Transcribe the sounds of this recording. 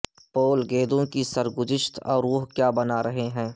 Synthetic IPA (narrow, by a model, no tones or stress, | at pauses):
poːlɡeːd̪õkisɐɾɡʊzɪʃt̪ɔːɾʋʊɦkjaːbɐnaɾɐɦeɦɛ̃ː